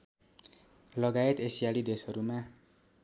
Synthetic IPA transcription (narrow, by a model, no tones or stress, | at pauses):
lʌɡaet̪esijalid̪esʌɾuma